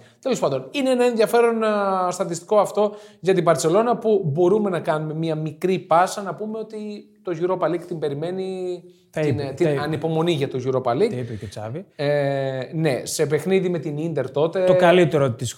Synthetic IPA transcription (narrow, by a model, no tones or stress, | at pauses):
t̪elo̞spɐnd̪o̞nineenɐẽ̞nðjɐfe̞ɾo̞nst̪ɐt̪ist̪i̥ko̞ɐft̪o̞ʝɐt̪ibɐɾt͡se̞lo̞nɐpubo̞ɾume̞nɐkɐnume̞miɐmikɾipɐsɐnɐpume̞o̞t̪it̪o̞ʝuɾo̞pɐlikt̪imbe̞ɾime̞ni | int̪iɐnipo̞mo̞niʝɐt̪o̞ʝuɾo̞pɐlikipeket͡sɐ̰vi | ne̞̰se̞p̬e̞xniðime̞t̪inind̪e̞ɾt̪o̞t̪e̞okɐlit̪eɾot̪is